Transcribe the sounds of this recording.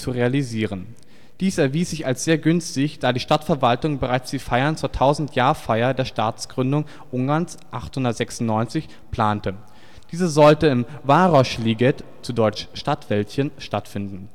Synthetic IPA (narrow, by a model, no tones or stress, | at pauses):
t͡suʁealiziːʁ̞ən | d̥iːsɛɐviːsz̥ɪçalsz̥eːɐɡʏnstɪçd̥aːdiːʃtatfɛɐvaltʊŋbəʁaɪt͡sd̥iːfaɪɐnt͡suːɐtʰaʊzn̩tʰjaːɐfaɪɐdeːɐʃtaːt͡sɡ̥ʁʏndʊŋ | ʔʊŋɡaɐns | ʔaχthʊndɐtz̥ɛksʊn̩nɔʏnt͡sɪç | pl̥aːntə | d̥iːzəzɔltəɪmvaːʁɔʃliːɡɛtt͡sudɔʏt͡ʃʃtatv̥ɛltçənʃtatfɪndn̩